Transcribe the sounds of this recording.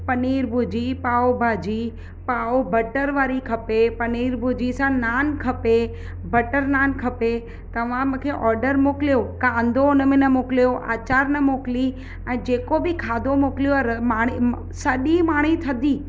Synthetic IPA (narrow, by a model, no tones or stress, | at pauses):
pɐniːɾbʱud͡ʑipaːobʱaːd͡ʑi | paːobʱɐʈəɾʋaːɾikʰɐpepɐniːɾbʱud͡ʑisãnaːnkʰɐpe | bʱɐʈəɾnaːnkʰɐpe | t̪ɐʋ̤ãmʊ̃ːkʰeʔɔːɾɖəɾmokɪlijokãːnd̪ʱonəmẽnɐmoklijoʔa̰ːt͡ɕaːɾnɐmokli | ɛ̃ːd͡ʑeːkobɪkʰaːd̪ʱomokɪlijoɾmaːɽi | sɐɗimaːɽ̤̃it̪ʰɐd̪ʱiː